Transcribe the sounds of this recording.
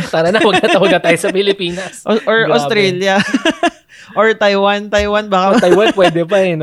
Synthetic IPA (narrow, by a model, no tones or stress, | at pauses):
paːɾɐnɐwɐɡ̚kɐt̪ɐwɐɡkɐt̪aːjosɐpɪlɪpiːnɐsʔoɹʔɐst̪ɾɛljɐ | ʔɔɹt̪ɐjwant̪ɐjwanbɐkat̪ɐjwanpwɛːd̪ɛpɐɛn